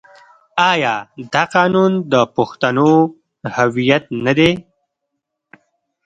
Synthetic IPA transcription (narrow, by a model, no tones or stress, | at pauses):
ɑjɑd̪ɑqɑːnund̪əpʊxt̪ano | hawijat̪̚nad̪e